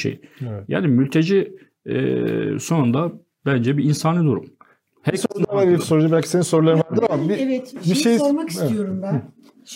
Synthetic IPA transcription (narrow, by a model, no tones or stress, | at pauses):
ʃḛjja̰ːnimylʲt̪ʰed͡ʒḭ | so̞nund̪a | bænd͡ʒɛbiinsaːnɯd̪uɾṵm | hɛɾʰad̪avaɾbisoɾud͡ʒabælʲcʰi̥se̞nisoɾulˠaɾɯmvæɾd̪iaabiɛt̪biʃejomaki̥stɛjoɾumbæ